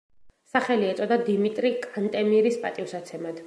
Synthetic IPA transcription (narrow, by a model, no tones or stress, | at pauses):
saχɛliɛt̪sʼɔd̪ad̪imit̪ʼɾikʼant̪ʼɛmiɾispʼat̪ʼifsat̪sʰɛmad̪̥